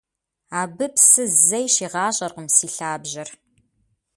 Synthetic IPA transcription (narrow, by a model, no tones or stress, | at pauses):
aːbɨpsɨzɐjʃiːʁɑːɕʼɐrqəmsiːɬaːbʑɐr